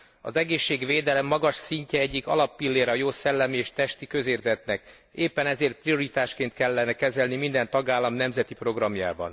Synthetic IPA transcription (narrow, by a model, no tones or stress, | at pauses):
ɒ̰zɛɡeːʃːeːɡʋeːd̪ɛlɛmːɒɡɒʃsiɲcɛɛɟːikɒ̰lɒpːilːeːɾɒjoːsɛlːɛmieːʃt̪ɛʃt̪ikø̞zeːrzɛt̪nɛk | eːpːɛnɛzeːrt̪̚prijo̞ɾit̪aːʃkeːnt̪kɛlːɛnɛkɛzɛlnimind̪ɛnt̪ɒɡaːlːɒmnɛmzɛt̪ipro̞ɡrɒmja̰ːbɒ̰n